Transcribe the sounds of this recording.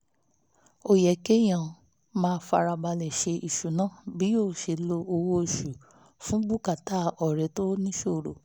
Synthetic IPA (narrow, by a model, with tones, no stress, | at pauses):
o˨jɛ˨ke˦j̃ã˨ | mãː˦˧˦fa˧ɾa˧ba˧lɛ˨ʃe˧i˨ʃu˨nã˦bi˨˦joː˦˨ʃe˧˨lo˧o˧wo˧e˨ʃu˨ | fũ˦ɡ͡bu˦ka˦˨ta˦ɔ˨ɾɛ˨˦to˦nĩ˦ʃo˦˨ɾo˨